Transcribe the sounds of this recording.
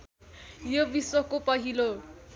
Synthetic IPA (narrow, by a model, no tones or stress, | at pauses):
jobiswʌkopʌɦilo